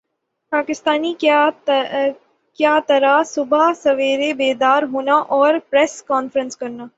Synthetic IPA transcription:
paːkɪst̪aːni | kjaːt̪ɐɾasʊbʱasɐʋeːɾebeːd̪aːɾɦoːnaʔɔːɾpɾɛːskɔːnfɾə̃nskɐɾnaː

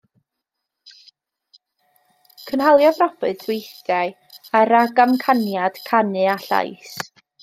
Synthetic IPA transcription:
kʰənhalˠjavrɔbɨθwejθdaɨ | aɾaɡamkʰanjad̥kʰanɨaɬa̰js

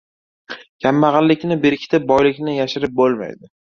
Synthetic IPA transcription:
kʲʰamːaʁɑllːɪkʲnɪbeɾkʲɪt̪ʰɪp̚bɒjlɪkʲnɪjaʃɪɾɪp̚bolˠma̰jd̪ɪ

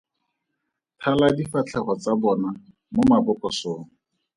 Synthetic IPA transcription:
tʰaladifat͡ɬʰɛχɔt͡sabɔna | momabʊkɔsoːŋ̩

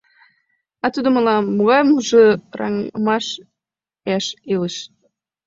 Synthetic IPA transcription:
ɑt̪ud̪ŏmə̆lɑmːuɣɑjmuʒɤ̆rɑ̰ŋmɑʃ | æʃeləʃ

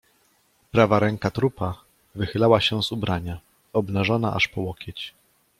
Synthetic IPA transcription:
pɾavaɾɛŋkat̪ɾupa | vɘxɘlawaɕɛzubɾaɲa | ɔbnaʐɔna̰ʔa̰ʂpɔwɔkʲɛt͡ɕ

